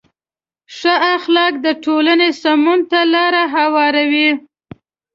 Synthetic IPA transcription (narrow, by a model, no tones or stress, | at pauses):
ʂəaxlɑk̚d̪əʈʰolanesamunt̪alɑɾaɦawɑɾawi